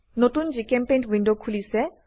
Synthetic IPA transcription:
not̪und͡ʑikempẽjnʈwinɖokʰulise

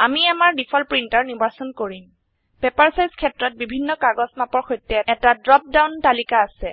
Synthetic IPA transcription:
amiamaɹdipʰɔlpɹintaɹnibaɹsɔnkoɹim | pɛpaɹsajzkʰɛtɹɔt̚bibʱinːɔkaɡɔsmapɔɹxojtːɛɛtadɹɔp̚dawntalikaːsɛ

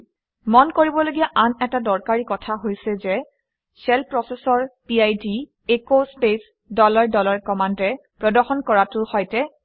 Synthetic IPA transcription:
mɔnkoɹibɔloɡijaʔanɛtadɔɹkaɹikɔtʰaɦojsɛzɛ | sɛlpɹɔsɛsɔɹpiajdi | ekospes | dɔlaɹdɔlaɹkɔmandɛpɹɔdɔxɔnkɔɹatʊhɔjtɛ

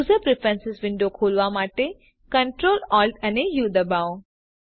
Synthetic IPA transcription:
zəpɾipʰə̃nsɪsʋɪ̃ɳɖokʰoːlʋamaːʈe | kɐɳʈɾoːlɔːlʈɐnejuːd̪ɐbaːõ

